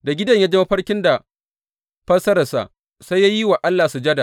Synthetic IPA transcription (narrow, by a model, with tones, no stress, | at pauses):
da˨ɡʲɪ˦dɐ˨ɲja˦d͡ʒe˦mɐ˦ɸɐ˦rkʲɪ˦nda˨ | ɸɐ˦sɐ˦ɾɐ˨sa̰˨ʔ | sa˦jːa˦ji˦wa˨ʔa˦lːaː˨su˨d͡ʒɐ˦da˨